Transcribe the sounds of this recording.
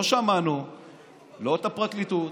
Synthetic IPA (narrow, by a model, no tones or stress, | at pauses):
oʃeamanu | lot̪apʁaklit̪u